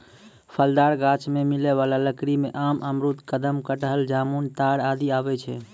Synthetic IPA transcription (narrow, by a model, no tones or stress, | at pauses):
pʰəld̪aɾɡat͡ʃmemilɛβalaləkɾimeʔamʔəmɾut̪kəd̪əmkəʈəɦəld͡ʒamunt̪aɾad̪iabɛt͡ʃʰɛ